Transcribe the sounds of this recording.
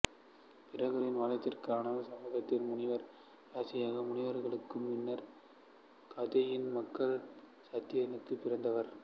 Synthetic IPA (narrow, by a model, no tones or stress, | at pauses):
pɪrɐɣɯɾɪnʋaːlɐt̪ːɪrkɯaːnɐsɐmːɐɣɐt̪ːɪlmʊɳɪʋɐɾ | aːsɪjaːɣɐmʊɳɪʋɐɾɣɐɭɯkːɯmːɪnːɐɾ | kʰɐðɐjɪnmɐkːɐɭ | sɐt̪ːɪjɐjɐnɯkːɯpːɪrɐnd̪ɐʋɐɾ